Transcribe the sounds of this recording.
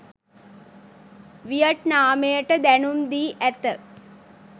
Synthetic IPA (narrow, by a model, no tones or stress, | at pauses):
ʋijəʈnaːmejəʈəd̪ænumd̪iːʔæt̪ə